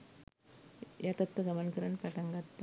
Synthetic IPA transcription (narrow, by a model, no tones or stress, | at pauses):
jɐt̪ɐt̪ːɐɡɐmɐnkɐɾɐnpɐʈɐŋɡɐt̪ːɐ